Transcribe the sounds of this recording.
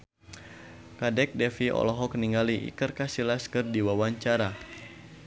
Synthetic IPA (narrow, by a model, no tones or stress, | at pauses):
kadɛk̚dɛfiɔ̰lɔɦɔk̚niŋɡaliʔḭkɨrkasilaskɨrdiwawaɲt͡ʃaɾa